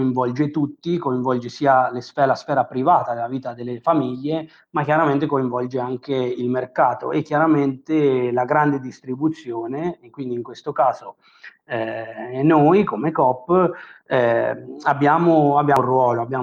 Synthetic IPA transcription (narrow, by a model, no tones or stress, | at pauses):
iɱvɔld͡ʒet̪ut̪ːikoiɱvɔld͡ʒesiːalesfɛːlasfɛːɾapɾivaːt̪ad̪elːaviːt̪ad̪elːefamiʎːe | makːjaɾament̪ekoiɱvɔld͡ʒeaŋkeilmerkaːt̪o̰ʔɛkːjaɾament̪elaɡɾand̪ed̪ist̪ɾibut̪sːjoːnekwind̪iːŋkwest̪okaːzo | ɛnojkomekɔpː | ɛabːjaːmoabːjarwɔːloabːjaː